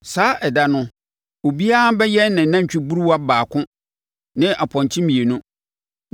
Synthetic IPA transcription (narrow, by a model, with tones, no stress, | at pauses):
saː˦ʔɛ˨da˨nʊ̃˦ | o˨bi˦a˦bɛ˦jɛ˦nːɪ̃˨nã˦ɲ˨t͡ɕᶣɪ˦bu˦ɾu˦wa˦baː˨kʰʊ̃˦ | nɪ̃˦ʔa˨pʰɔ̃˨ɲ˨t͡ɕʰɪ̃˦mĩ˨e˨nũ˦